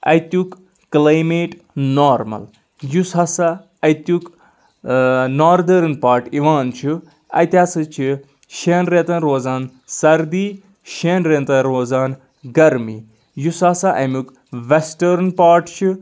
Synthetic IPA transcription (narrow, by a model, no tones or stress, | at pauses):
ɐ̰jt̪ukː | lajmeːʈ | noːɾmɐ̰l | jusɐsa | ɐjt̪juk | naːɾd̪ɐɾnpaːɾʈiʋaːnt͡ʃʰu | ɐ̰jt̪ʲaːsɨt͡ʃʰi | ʃeːnɾẽt̪ɐ̃nɾoːzaːn | sɐɾd̪iː | ʃeːnɾeːnt̪ɐ̃nɾoːzaːn | ɡɐɾmi | jusaːsaʔɐ̰muk | ʋesʈɐɾnpaːɾʈt͡ʃʰi